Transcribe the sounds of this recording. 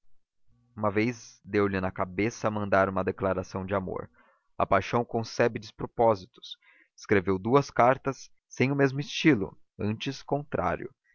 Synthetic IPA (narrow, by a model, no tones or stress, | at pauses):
ũmɐvejzd̪ewlɪnɐkabesɐːmɐ̃nd̪aɾũmɐd̪eklaɾasɐ̃w̃d͡ʒɪamo̰ɾ | ɐ̰pajʃɐ̃w̃kõsɛbɪd͡ʒɪspɾopɔzit̪ʊ̥s | ɪ̥skɾevewd̪uɐskaɾt̪ɐsː | ẽj̃ʊmezmʊɪst͡ʃilʊ̰ | ɐ̃nt͡ʃɪskõnt̪ɾʔa̰ɾjʊ̰